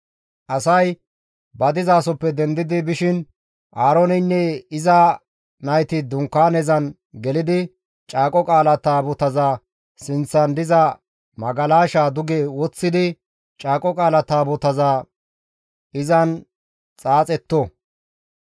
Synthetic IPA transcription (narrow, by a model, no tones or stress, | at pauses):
ʔɐsɐj | bɐd̪ɪzaːsɔpːɛd̪ɛnd̪ɪd̪ɪbɪʃɪn | ʔaːɾɔnɪnːɛɪzɐ | nɐjt̪ɪd̪ʊŋkːaːnɛzɐn | ɡɛlɪd̪ɪ | t͡ʃʼaːkʼɔkʼaːlɐt̪aːbʊt̪ɐzaː | sɪnt͡sːɐnd̪ɪzɐ | mɐɡɐlaːʃaːd̪ʊɡeːwɔt͡sːɪd̪ɪ | t͡ʃʼaːkʼɔkʼaːlɐt̪aːbʊt̪ɐzaː | ɪzɐn | t͡sʼaːt͡sʼɛt̪ːɔ